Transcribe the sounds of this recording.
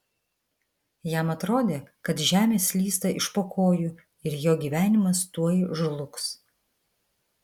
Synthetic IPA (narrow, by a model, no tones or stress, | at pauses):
jɛmɐt̪ɾoːd̪ʲeːkɐt̪ʒʲæːmʲeːslʲiːst̪ɐʔɪʃpoːkʰoːjʊ | ɪɾjoːɡʲiːʋʲæːnʲɪmɐst̪uɔjʒʊlˠʊks